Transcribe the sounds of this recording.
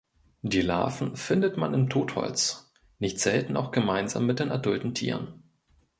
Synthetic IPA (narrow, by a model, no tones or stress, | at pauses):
d̥iːla̰ːfn̩fɪndətmanɪmtʰoːthɔ̰lt͡s | nɪçtz̥ɛltn̩ʔa̰ʊxɡ̥əmaɪnza̰ːmːɪt̚d̥eːnʔaɐdʊltn̩tʰḭːʁən